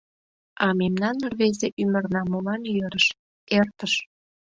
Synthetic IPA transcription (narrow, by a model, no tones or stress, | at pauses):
ɑmemnɑnːərβezeʔymərnɑmolɑnjøɾəʃ | ert̪əʃ